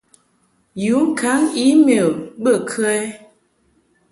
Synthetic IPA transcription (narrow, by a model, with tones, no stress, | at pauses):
ju˨˦ŋ̩˦˨kʰa˨˦ŋi˦me˨bə˦˨kʰə˦ɛ˦